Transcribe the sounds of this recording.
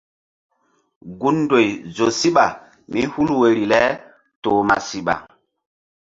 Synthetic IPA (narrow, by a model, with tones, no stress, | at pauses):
ɡu˦ndo˨jzo˨si˦ɓa˨ | mi˦hu˦lwe˨ɾi˨lɛ˦ | toː˨ma̰˨si˨ɓa̰˨